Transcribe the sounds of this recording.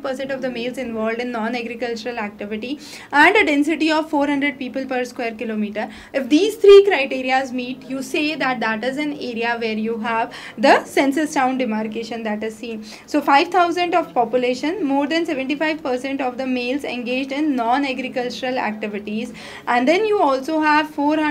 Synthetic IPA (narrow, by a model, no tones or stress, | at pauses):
pəɾsɛ̃ɳʈɔʋd̪əmeːlzɪ̃nʋɔːlɖɪ̃nːɔ̃ːnæɡɾɪkəlt͡ʃəɾəlæk̚ʈɪʋɪʈi | æ̃ɳɖəɖɛ̃nsɪʈiɔʋfoːɾɦʌ̃ɳɖɾeɖ̚piːpəlpəɾskweːəɾkɪloːmiːʈəɾ | ɪfd̪iːzt̪ʰɾiːkɾaɪʈiːɾiazmiːʈjuːseːd̪æʈ̚d̪æʈɪzæ̃neːɾiaʋeːɾjuːɦæʋ | d̪əsɛ̃nsɪsʈãʊ̃nɖɪmaːɾkeːʃə̃nd̪æʈɪzsĩːn | soːfaɪʋt̪ʰaʊzə̃ɳʈɔʋpɔpjʊleːʃə̃nmoːɾd̪æ̃nseʋə̃ɳʈifaɪʋpəɾsɛ̃ɳʈɔʋd̪əmeːlzḛ̃nɡeːd͡ʒɖɪ̃nːɔ̃ːnæɡɾɪkəlt͡ʃəɾəlæ̰k̚ʈɪʋɪʈiz | æ̃ɳɖd̪ɛ̃njuːɔːlsoːɦæʋfoːɾ